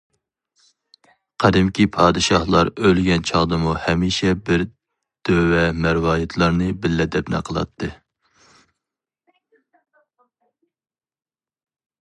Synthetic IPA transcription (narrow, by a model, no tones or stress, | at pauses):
qʰɛd̪ɪmkʲipʰɑːd̪ɨʃɑhlˠɑɾølɡʲɛnt͡ʃʰɑʁd̪ɨmuhɛmiːʃɛbɪɾ | d̪̥øwɛmæɾwɑːjɛt̪ʰlˠɑɾnɨbɪlːɛd̪ɛpnæ̰qʰəlˠɑ̰t̪ʰːɨ